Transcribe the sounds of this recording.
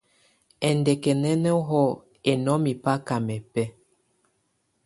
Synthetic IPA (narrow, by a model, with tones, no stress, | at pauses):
ɛ˨ndɛ˨kɛ˨nɛ˦nɛ˦ɦɔ˦˨ | e˨nɔ˦mi˨pa˦ka˨mɛ˨pɛ˦